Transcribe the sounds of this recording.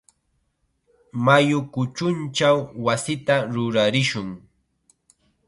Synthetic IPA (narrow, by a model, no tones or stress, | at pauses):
majʊkʊt͡ʃʊnt͡ʃawːasɪt̪aɾʊɾaɾɪʃʊŋ